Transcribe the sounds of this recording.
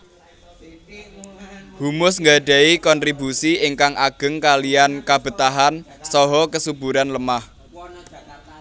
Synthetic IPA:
humʊsŋɡaɖ̥a̤ikɔnt̪ɾibusiɪŋkaŋʔaɡ̥ə̤ŋkaliankab̥ə̤t̪aɦan | sɔɦɔkəsub̥uɾanləmah

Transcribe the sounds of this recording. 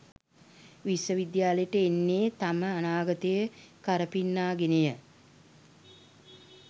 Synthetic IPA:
ʋisəʋid̪jaːləjəʈəenːeːt̪aməanaːɡət̪əjəkaɾəpinːaːɡenəjə

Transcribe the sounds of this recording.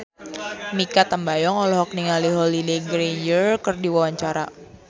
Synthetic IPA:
mikat̪ambajɔŋɔlɔɦɔk̚niŋaliɦɔlileɡɾed͡ʒərkərdiwawaɲt͡ʃaɾa̰

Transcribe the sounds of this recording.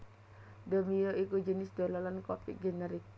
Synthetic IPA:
d̪omijoikud͡ʒənɪsd̪̥o̤lɔlankɔp̚ḭʔɡenɛɾik̚

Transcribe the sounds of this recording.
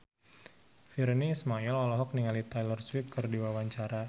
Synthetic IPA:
firniːsmaɛlɔlɔɦɔk̚niŋalit̪ajlɔrswip̚kɨrdiwawaɲt͡ʃaɾa

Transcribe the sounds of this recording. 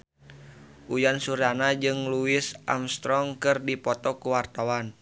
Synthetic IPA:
ʔujansuɾanad͡ʒɨŋluɪsʔa̰mst̪ɾɔŋkɨrdipɔt̪ɔkuwart̪awan

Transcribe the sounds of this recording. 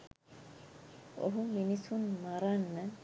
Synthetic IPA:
o̰ɦuminisunmaɾanːɐ

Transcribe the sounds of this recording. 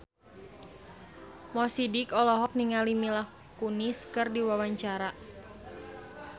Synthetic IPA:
mɔsidikɔlɔɦɔk̚niŋalimilah | kuniskɨrdiwawaɲt͡ʃaɾa

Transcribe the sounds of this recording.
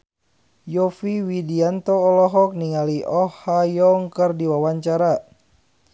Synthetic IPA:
jɔfiwidiant̪ɔːlɔɦɔk̚niŋaliʔɔhajɔŋkərdiwawaɲt͡ʃaɾa

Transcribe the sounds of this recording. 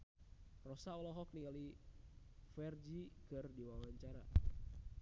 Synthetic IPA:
rɔsaɔlɔɦɔk̚niŋali | fɛrd͡ʒikɨrdiwawaɲt͡ʃaɾa

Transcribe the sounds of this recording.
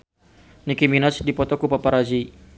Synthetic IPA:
nikiminasdipɔt̪ɔkupapaɾazi

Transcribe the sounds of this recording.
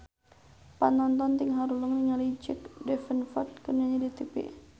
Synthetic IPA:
panɔnt̪ɔnt̪iŋɦaɾuləŋniŋalid͡ʒəkdɛfənfɔt̪̚kənaɲadit̪ipḭ

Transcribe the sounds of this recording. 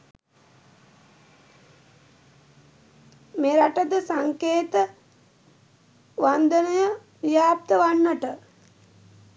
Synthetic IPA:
meːɾaʈəd̪əsaŋkeːt̪ə | ʋand̪ənəjə | ijaːp̚t̪əʋaɳːəʈə

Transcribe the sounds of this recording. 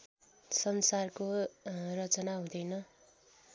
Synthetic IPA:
sʌnsarkorʌt͡sʌnaɦũd̪ʌjnʌ

